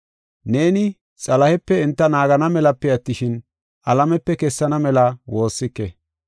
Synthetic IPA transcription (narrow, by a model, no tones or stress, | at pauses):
ne̞ːnɪ | t͡sʼɐlɐhɛpːɛɪnt̪ːɐnaːɡɐnɐmɛlɐpːɛɐt̪ːɪʃɪn | ʔɐlɐmɛpːɛkɛsːɐnɐmɛlɐwo̞ːsːɪkːɛ